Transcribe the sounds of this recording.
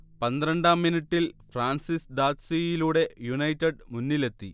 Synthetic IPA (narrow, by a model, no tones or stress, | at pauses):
pɐnd̪ɾɐɳɖaːmːiniʈːilfraːnsisd̪aːt̪sijiluːɽe̞junɐjtːɐɖmunːile̞t̪ːi